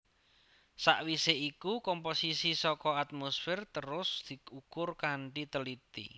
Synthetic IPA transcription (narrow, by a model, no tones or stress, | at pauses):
sa̰ʔwiseikukɔmposisisɔkɔat̪̚mosfɪrt̪əɾʊsd̪̥i̤ukʊrkaɳɖit̪əlit̪ḭ